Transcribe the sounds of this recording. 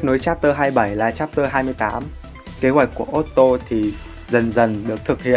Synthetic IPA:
k̚no˨˦jt͡ɕaː˦˥p̚t̪əː˧ɦaː˧jɓə˧˩jlaː˨˩t͡ɕaː˦˥p̚t̪əː˧ɦaː˧jmɨ˧əjt̪aː˨˦m | ke˨˦hɦwa˨˩jk̟̚ku˧˩əʔo˦˥t̚t̪o˧t̪ʰi˨˩ | zə˨˩nzə˨˩nɗɨ˨˩ək̚t̪ʰɨ˨˩k̚hḭ˧˨ən

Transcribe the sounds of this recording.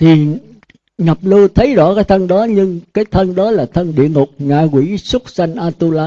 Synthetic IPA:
t̪ʰi˨˩ | ŋə˨˩p̚lɨ˧t̪ʰə˨˦jzɔ̰˧˥kaː˨˦jt̪ʰə˧nɗɔ˨˦ɲɨ˧ŋkaː˨˦jt̪ʰə˧nɗɔ˨˦laː˨˩t̪ʰə˧nɗḭ˧˨əŋʊ˨˩k͡p̚ŋa̰ː˧˨kwḭ˧˩˥swə˦˥t̚sa˧jŋ̟ʔaː˧t̪u˧laː˧

